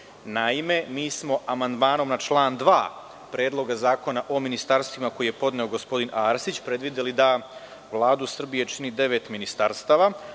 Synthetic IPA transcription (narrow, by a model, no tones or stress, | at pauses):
naime̞miːsmo̞ʔamand̪maːno̞mnat͡ʃlˠaːnd̪ʋaː | pɾe̞ːd̪lˠo̞ɡazaːko̞naʔo̞minist̪aːɾst̪ʋimako̞jije̞po̞d̪neo̞ɡo̞spo̞d̪inaːɾsit͡ɕpɾe̞d̪ʋid̪elid̪a | ʋlˠaːd̪usr̩bije̞t͡ʃinid̪e̞ʋe̞t̪minist̪aɾst̪aːʋa